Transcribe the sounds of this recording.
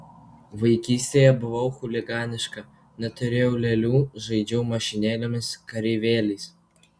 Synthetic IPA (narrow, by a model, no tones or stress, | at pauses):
ʋɐɪkʲiːsʲt̪ʲejɛbʊʋɐʊxʊlʲɪɡɑːnʲɪʃkɐ | nɛt̪ʲʊɾʲeʊlʲɛlʲuːʒɐɪd͡ʒʲɛʊmɐʃʲɪnʲeːlʲemʲɪskɐɾʲiʋʲeːlʲis